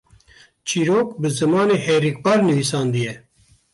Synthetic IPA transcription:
t͡ʃʰiːɾoːkbɨzɨmɑːneːheːɾik̚bɑɾnɨviːsɑːnd̪ijɛ

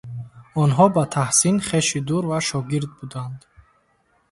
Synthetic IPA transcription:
ɔnɦɔbat̪ʰahsinχeʃid̪uɾvaʃɔɡiɾd̪̚bud̪and̪

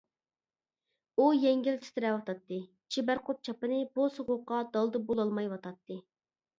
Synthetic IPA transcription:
ujɛŋɡʲɪlt̪ʰɪ̥t̪ʰɪɾɛwɑt̪ʰɑt̪ːɨ | t͡ʃʰibæɾqʰʊt̪̚t͡ʃʰɑpɨnɨbosoʁʊqːɑd̪ɑlˠd̪ɨbolˠɑlˠmɑjwɑt̪ʰɑt̪ːɨ

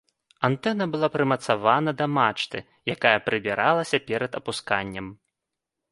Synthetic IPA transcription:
ant̪ɛnɐbɨlˠapɾɨmɐt̪savanɐd̪ɐmat͡ʂt̪ɨ̰ | jakajɐpɾɨbʲiɾʔalˠɐsʲɐpʲɛɾɐd̪ɐpuska̰nʲːɐm

